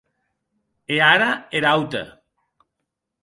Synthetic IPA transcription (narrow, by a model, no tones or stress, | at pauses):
eaɾaeɾawt̪ḛ